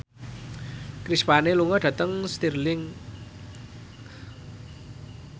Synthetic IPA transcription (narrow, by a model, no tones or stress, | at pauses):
kɾispaneluŋɔd̪̥ä̤t̪əŋst̪irlɪŋ